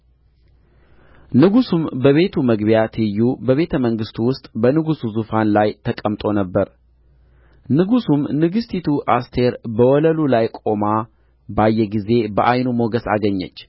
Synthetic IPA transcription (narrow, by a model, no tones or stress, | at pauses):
nɨɡusumbəβe̞t̪ʰuməɡbjat̪ʰɨjːubəβe̞t̪ʰəməŋɡɨst̪wʊst̪ʼbənɨɡusuzufanlajt̪ʰəkʼəmt̪ʼo̞nəbːəɾ | nɨɡusumnɨɡɨst̪ʰit̪ʰuʔast̪ʰe̞ɾbəwɔləlulajkʼo̞ma | bajːɛɡize̞bəʔajnumoɡəsa̰ɡəɲːə̰t͡ʃː